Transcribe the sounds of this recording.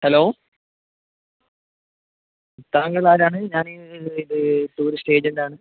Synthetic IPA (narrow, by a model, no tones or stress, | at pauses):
hɐloː | t̪aːŋɡɐlaːɾaːɳɨɲaːniiðɨʈuːɾisʈe̞ːd͡ʑenɖaːɳɨ